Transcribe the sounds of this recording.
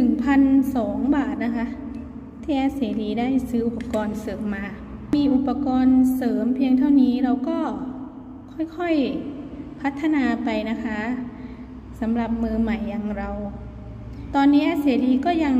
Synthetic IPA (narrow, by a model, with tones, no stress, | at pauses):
nɯ˨˩ŋpʰa˧nsɔː˩˦ŋbaː˨˩t̪̚na˦˥kʰa˦˥ʔ | t̪ʰiː˥˩ʔɛː˦˥˩seː˩˦ɾiː˧daː˥˩jsɯː˦˥ʔu˨˩pːa˧kɔː˧nsɤː˩˦mːaː˧ | miː˧ʔu˨˩pːa˧kɔː˧nsɤː˩˦mpʰi˧əŋt̪ʰa˥˩wniː˦˥ɾa˧wkɔː˥˩ | kʰɔ˥˩jkʰɔ˥˩j | pʰa˦˥t̪ʰːa˧naː˧pa˧jna˦˥kʰa˦˥ʔ | sa˩˦mɾa˨˩p̚mɯː˧ma˨˩jːa˧ŋɾa˧w | t̪ɔː˧nːiː˦˥ʔɛ˦˥seː˩˦ɾiː˧kɔː˥˩ja˧ŋ